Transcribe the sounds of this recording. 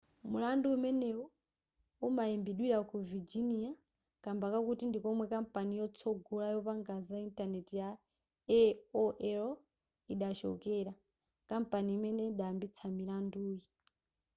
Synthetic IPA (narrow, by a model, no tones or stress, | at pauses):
mulanduumɛnɛɔ | umaimbiɗwiɾakuvid͡ʒinia | kambakakutindikɔmwɛkam̩panijɔt͡sʰɔɡɔlajɔpaŋɡazaintanɛtija | ɛɔʔɛɾ | iɗat͡ʃɔ̰kɛɾa | kampaniːmɛnɛiɗaːmbit͡sʰamilanduːji